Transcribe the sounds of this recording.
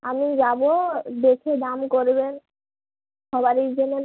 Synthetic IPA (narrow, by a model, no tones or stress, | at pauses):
amid͡ʑabod̪ekʰed̪amkoɾben | ʃʰɔbaɾiɾd͡ʑene